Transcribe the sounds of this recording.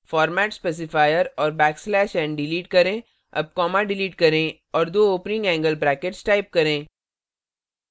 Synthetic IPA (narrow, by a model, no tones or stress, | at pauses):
fɔːɾmɛːʈspɛːs̬ɪfaːjəɾɔːɾbɛːkslɛːʃɛ̃ːɳɖɖɪliːʈ̚kɐɾẽː | ɐ̰b̚kɔːmaɖɪliːʈ̚kɐɾẽ | ɔːɾd̪oːoːpnɪ̃ŋɡɛ̃ːŋɡəlbɾɛːkeʈsʈaːɪp̚kɐɾẽː